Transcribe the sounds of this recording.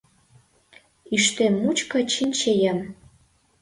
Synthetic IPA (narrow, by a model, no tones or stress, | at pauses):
yʃt̪emːut͡ɕkɑ̆t͡ɕinʲt͡ɕejəm